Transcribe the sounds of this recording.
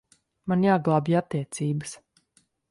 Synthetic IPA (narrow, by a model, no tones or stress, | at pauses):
manjaːɡlˠaːbiat̪ːiɛt̪siːbəs